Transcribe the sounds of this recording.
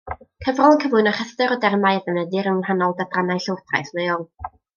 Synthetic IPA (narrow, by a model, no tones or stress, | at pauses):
kʰəvrɔlˠənkʰəmlʊɨnaχəθtɨɾɔdɛrmajəðənədɪɾənhanɔlˠdadranajɬəwrθʰra̰jθmejɔlˠ